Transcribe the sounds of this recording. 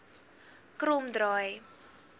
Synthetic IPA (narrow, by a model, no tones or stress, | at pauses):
kruːmd̪rɔj